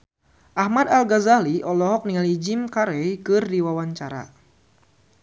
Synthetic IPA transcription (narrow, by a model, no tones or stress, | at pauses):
ʔahmad̪alɡazaliʔɔlɔɦɔk̚niŋalid͡ʒɪmkaɾɛjkɨrdiwawaɲt͡ʃaɾa̰